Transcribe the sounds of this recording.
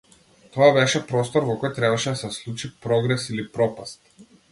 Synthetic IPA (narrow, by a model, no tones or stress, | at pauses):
t̪ɔabɛʃɛpɾɔst̪ɔɾvɔkɔjt̪ɾɛbaʃɛd̪asɛslˠut͡ʃipɾɔɡɾɛsilipɾɔpast̪̚